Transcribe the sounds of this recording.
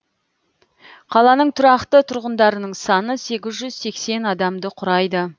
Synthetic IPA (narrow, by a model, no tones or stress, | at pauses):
qʰɑlˠɑnəɴt̪ʰʊɾɑqt̪ət̪ʰʊɾʁənd̪ɑɾənəɴsɑnəse̞ɡʲɪzʒʏz̥se̞kse̞nɑd̪ɑmd̪əqʰʊɾɑjd̪ə